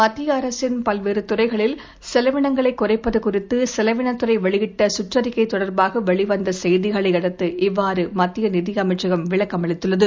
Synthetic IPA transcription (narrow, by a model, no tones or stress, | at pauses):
mɐt̪ːɪjɐɐɾɐsɪnpɐlʋeːɾɯt̪ʊrɐɪɣɐɭɪl | sɛlɐʋɪɳɐŋɡɐɭɐɪkːʊrɐɪpːɐðɯkʊrɪt̪ːɯsɛlɐʋɪɳɐt̪ːɯrɐɪʋɛɭɪjɪʈːɐsʊʈrɐɾɪkːɐɪt̪ːɔɽɐɾbaːɣɐʋɛɭɪʋɐnd̪ɐsɛjðɪɣɐɭɐɪɐɽɐt̪ːɯʔɪʋːaːɾɯmɐt̪ːɪjɐnɪðɪjɐmɐɪʈt͡ʃɐɣɐmʋɪɭɐkːɐmɐɭɪt̪ːɯɭːɐðɯ